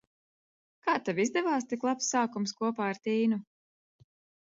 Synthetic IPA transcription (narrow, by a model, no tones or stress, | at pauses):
kaːt̪ɛvizd̪ɛvaːst̪iklˠapsːaːkumskuɔpaːaɾt̪iːnu